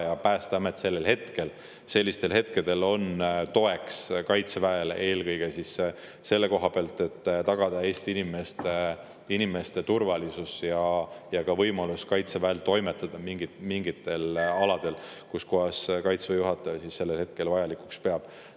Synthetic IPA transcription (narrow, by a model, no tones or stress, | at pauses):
jɑpæːst̪ɑɑmet̪se̞lːe̞lɦe̞t̪ke̞l | se̞lʲːist̪e̞lɦe̞t̪ke̞d̪̥e̞lo̞nt̪o̞e̞kskɑjt̪sevæele̞ːlkɤjɡ̥e̞sis | se̞lːe̞ko̞ɦɑpeɑlt̪e̞t̪ːt̪ɑɡ̥ɑd̪̥ɑe̞ːst̪iinimest̪e | inime̞st̪e̞t̪urvɑlisusjɑjɑkɑvɤjmɑluskɑjt̪sevæelt̪o̞jme̞t̪ːˑɑd̪̥ɑmiŋɡimiŋɡit̪ːˑe̞lɑlɑd̪̥e̞lkuskoɑskɑjt̪svejuɦɑt̪ːˑɑjɑsisːe̞lːelhe̞t̪̚ke̞lvɑjɑlikukspe̞ɑb̥